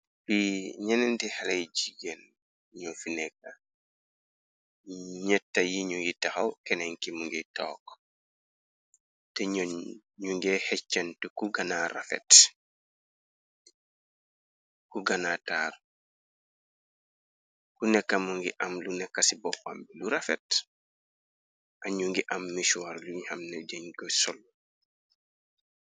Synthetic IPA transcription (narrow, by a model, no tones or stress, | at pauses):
biɲɛnɛntihalajd͡ʒiɡen | ɲɔfinɛkːa | ɲɛtːajiɲujitaxawkɛnɛŋkimuŋɡɛtɔːk | tɛɲ | ɲuŋɡɛhɛt͡ʃːɐntukuɡanaɾa̰fɛ̰t | kuɡanataːr | kunɛkːamuŋɡiʔamlunɛkːasibɔpːa̰mbiluɾafɛ̰t | ʔaɲuŋɡiʔamːiʃuaɾluɲhamnɛd͡ʒaɲɡɔsɔl